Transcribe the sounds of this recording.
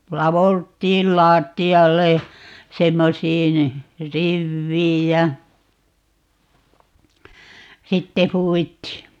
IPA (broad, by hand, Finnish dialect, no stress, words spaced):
lɑʋoltˑiːl lɑːtːiɑlːej jɑ semːosiːn riʋːiːj jɑ sitːe huːwitːiː